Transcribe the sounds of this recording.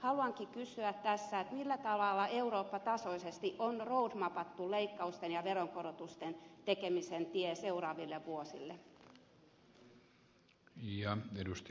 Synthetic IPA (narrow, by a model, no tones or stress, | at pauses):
hɑluɑŋkikysyæt̪tæsːæet̪milːæt̪ɑʋɑlːɑeuroːpːɑt̪ɑsoisest̪iʔonroud̪mɑpɑt̪ːuleikːɑust̪enjɑʋeɾoŋkorot̪ust̪ent̪ekemisent̪ieseurɑːʋilːeʋʋuosḭlːe | jɑedust̪